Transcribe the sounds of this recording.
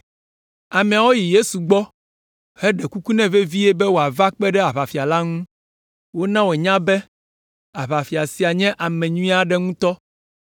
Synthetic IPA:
a˨mɛ̃˨a˨wo˦ji˨je˦su˨ɡ͡bɔ˦ | he˦ɖɛ˨ku˦ku˦nɛ̃˦ve˦vi˦jɛ˦bɛ˦wo˨a˨va˦k͡pɛ˦ɖɛ˦a˨βa˨fi˨a˨la˦ŋũ˦ | wo˦nã˦wo˨e˨ɲã˦bɛ˦ | a˨βa˨fi˨a˨si˨a˨ɲɛ̃˦ʔa˨mɛ̃˨ɲũ˦ĩ˦a˦ɖɛ˦ŋũ˦t̪ɔ˦

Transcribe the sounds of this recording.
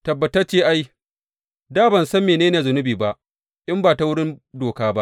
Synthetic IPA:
tɐ˨bːɐ˨tɐ˦rt͡ʃeː˦ʔa˦j | daː˦bɐ˨nsɐ˦mːeː˨neː˦neː˨zʊ˨nʊ˦biː˨ba˦ʔ | ʔɪ˦mbaː˨ta˦wʊ˦ɽɪ˦ndoː˨kaː˦ba˦ʔ

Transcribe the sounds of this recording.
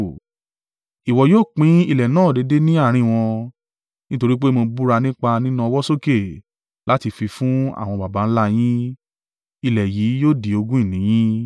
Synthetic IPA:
i˨wɔ˨joː˦˨k͡pĩ˨˦i˧˨lɛ˨nãː˦˨de˨˧˦de˦nĩ˦a˦˨ɾ̃ĩ˧˨w̃ɔ̃˧ | nĩ˦to˧ɾi˦k͡pe˦mo˧bu˦ɾa˧nĩ˦k͡pa˧nĩ˦nũ˦ɔ˧wɔ˦so˦ke˦˨ | la˦ti˧fi˧fũ˦a̰˦˨w̃ɔ̃˧ba˨ba˨˦n̩˦la˦j̃ĩ˦ | i˧lɛ˨ji˨˦joː˦˨di˨o˧ɡũ˦i˦˨nĩ˨˦j̃ĩ˦

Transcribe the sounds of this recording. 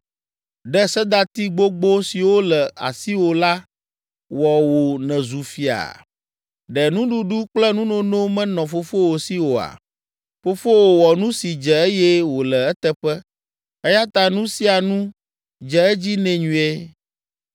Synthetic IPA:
ɖɛ˦sɛ˦d̪a˦t̪i˦ɡ͡bo˦ɡ͡bo˦si˨wo˦lɛ˨a̰˨si˦wo˨la˦ | wɔ˨wo˨nɛ̃˨zu˨fi˦a̰˨ | ɖɛ˨nũ˦ɖu˦ɖu˦k͡plɛ˦nũ˦nõ˦nõ˦mɛ̃˦nɔ̃˨fo˨fo˦wo˨si˦wo˨a̰˨ | fo˦fo˦wo˨wɔ˨nũ˦si˨d͡ʒɛ˨e˦jɛ˦wo˨lɛ˨ɛ˦t̪ɛ˦ɸɛ˦ | ɛ˦ja˦t̪a˦nũ˦si˦a˨nũ˦ | d͡ʒɛ˨ɛ˦d͡ʑi˦nɛ̃˨ɲũ˨e˦

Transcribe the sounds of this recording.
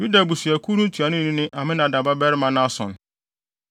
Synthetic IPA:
ju˦da˨bu˨sɥæ˨kʰu˦ɾũ˦tʰu˨a˨nʊ̃˦˨nɪ̃˦nɪ̃˦ʔa˨mɪ̃˦nã˨da˨ba˦bɛ˦ɾɪ˦mã˦nã˦sɔ̰̃˨n

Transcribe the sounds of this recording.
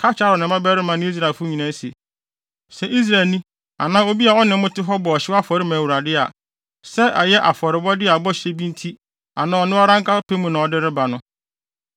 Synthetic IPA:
kʰa˦t͡ɕʰa˦ɾɔ˨nɪ̃˨mã˦bɛ˦ɾɪ˦mã˨nʊ̃˦i˦s̬ɾa˨fʊ˦ɲĩ˨nã˦se˨ | sɛ˨ʔi˦s̬ɾa˨lnĩ˦ | a̰˨nã˦o˦bi˦a˨ɔ˦nɪ̃˨˦mʊ̃˦tɪ˦ɦɔ˦bɔ˨ɔ˨ɕɪ˦a˦fɔ˨ɾɪ˦mã˨wu˨ɾa˨dɪ˦a̰˨ | sɛ˦ʔɛ˨jɛ˦ʔa̰˨fɔ˨ɾɪ˨bɔ˦dɪ˦a˨bɔ˦ɕe˦bĩ˦n˦tʰi˦ | a˨nã˨˦ɔ˨nɪ̃˦ɔ˦ɾã˦ŋkʰa˦pʰe˦mũ˨nã˨ɔ˨dɪ˦ɾɪ˦ba˨nʊ̃˦

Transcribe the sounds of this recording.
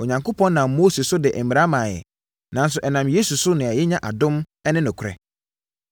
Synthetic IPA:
o˨ɲã˨ŋko˦pʰɔ̃˦nnã˨mːo˦se˨sʊ˦dɪ˨ʔm̩mi˨ɾa˦mãː˨jɛ̰˨ | nã˨n˦s̬ʊ˨ʔɛ˨nã˨mje˦su˨sʊ˦nɪ̃˨ɛ˨jɪ˦ɲã˦ʔa˨dʊ̃˦m | ɛ˦nɪ̃˦nʊ̃˨kʰɾɛ̰˨

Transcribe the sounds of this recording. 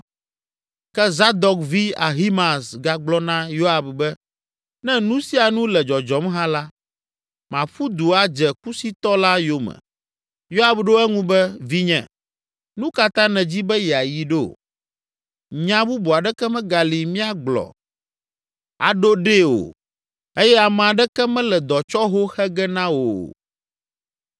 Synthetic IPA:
kɛ˦za˦d̪ɔ˨kvi˦a̰˨ɦi˦mã˨sɡa˨ɡ͡blɔ˦nã˦jo˦a˨bbɛ˦ | nɛ̃˦nũ˦si˦a˨nũ˦lɛ˨d͡ʒɔ˨d͡ʒɔ˨mɦã˦la˦ | mã˨ɸu˦d̪u˨a˨d͡ʒɛ˨ku˦si˦t̪ɔ˦la˦jo˨mɛ̰̃˨ | jo˦a˨bɖo˦ɛ˦ŋũ˦bɛ˦vi˦ɲɛ̰̃˨ | nũ˦ka˨t̪ã˦nɛ̃˨d͡ʑi˦bɛ˦jɛ˨a˨ji˨ɖe˦o̰˨ | ɲã˦bu˦bu˨a˨ɖɛ˦kɛ˦mɛ̃˦ɡa˨li˨mĩ˦a˦ɡ͡blɔ̰˨ | a̰˨ɖo˦ɖe˦o̰˨ | e˦jɛ˦a˨mɛ̃˨a˨ɖɛ˦kɛ˦mɛ̃˦lɛ˨d̪ɔ˨t͡ʃɔ˦ɦo˦xɛ˦ɡɛ˦nã˦wo˨

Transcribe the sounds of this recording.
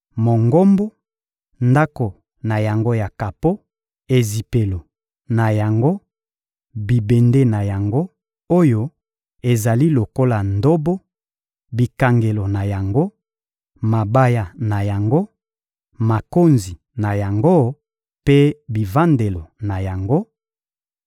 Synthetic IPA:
mo˨ŋɡo˦mbo˦ | nda˦ko˨ | na˨ja˨ŋɡo˦ja˨ka˨po˦ | e˨zi˨pe˨lo˨ | na˨ja˨ŋɡo˦ | bi˨be˨nde˦na˨ja˨ŋɡo˦ | o˦jo˦ | e˨za˨li˦lo˨ko˦la˨ndo˦bo˦ | bi˨ka˨ŋɡe˨lo˨na˨ja˨ŋɡo˦ | ma˨ba˦ja˨na˨ja˨ŋɡo˦ | ma˨ko˦nzi˨ | na˨ja˨ŋɡo˦ | pe˦bi˨va˦nde˨lo˨na˨ja˨ŋɡo˦

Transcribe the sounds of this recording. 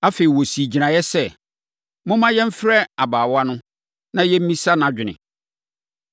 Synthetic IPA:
a˦fe˨i˨wo˨si˨d͡ʑi˨nã˨jɛ˦sɛ˦ | mʊ̃˦mã˦jɛ˦m̩˦fɾɛ˦a˨baː˨wa˦nʊ̃˦ | nã˦jɛ˦m̩˦mĩ˦sa˦nã˨d͡ʑᶣɪ˨nɪ̰̃˨

